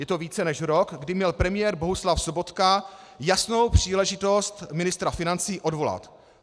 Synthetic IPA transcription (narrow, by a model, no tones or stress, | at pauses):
jɛt̪o̞viːt͡sɛnɛʃɾokɡdɪmɲɛlpɾɛmɪjɛːɾbo̞ɦuslafsobo̞t̪ka | jasno̞wpr̝̥iːlɛʒɪt̪o̞st̪mɪnɪst̪ɾafɪnant͡siːʔo̞dvo̞la̰t̪